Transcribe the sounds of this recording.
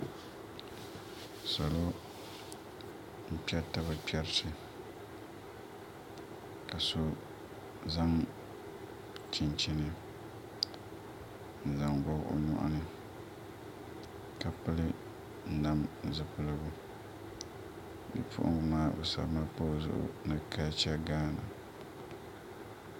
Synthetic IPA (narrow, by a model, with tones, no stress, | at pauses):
sa˨lo˦ | m̩˦pi˦ɛ˦ta˦ba˨pɛ˦ɾtɨ˨ | ka˨so˦ | za˦ŋ | t͡ʃɪ˨nt͡ʃɪ˦nɨ˨ | n̩˨za˨ŋɡɔ˦ɣʔo̰˦ɲɔ̰˦ʔa̰˦nɨ˦ | ka˨pɨ˦lɨ˦˨ | na˦mzɨ˨pɨ˨lɨ˦bʊ˦ | bɨ̰˨pʰʊ̰˦ʔʊ̰˦ŋɨ˨maː˦bɛ˨sa̰˨bma˦po˦˨zʊ̰˦ʔʊ̰˦˨nɨ˦ka˦t͡ʃɛ˦ɡaː˦na˨